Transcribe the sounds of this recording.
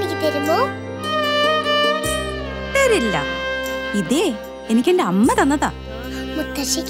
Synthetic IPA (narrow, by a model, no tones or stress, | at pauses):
mikːip̪eɾumːo | ʈːɐɾilːɐ̰ | iðe | enikʲːendeɐmːɐt̪ɐnːɐða̰ː | mut̪ːɐɕikʲː